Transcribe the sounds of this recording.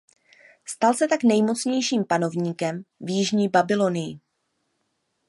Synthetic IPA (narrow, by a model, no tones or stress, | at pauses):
st̪alsɛt̪aknɛjmo̞t͡sɲɛjʃiːmpano̞vɲiːkɛmvjɪʒɲiːbabɪlo̞nɪjɪ̰